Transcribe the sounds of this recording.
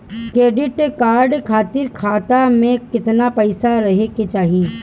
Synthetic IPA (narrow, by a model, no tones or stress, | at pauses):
kɾeːɖɪʈkaːɾɖkʰaːt̪ɪɾkʰaːt̪amẽkɪt̪napɐɪsaɾɐɦeket͡ʃaːɦie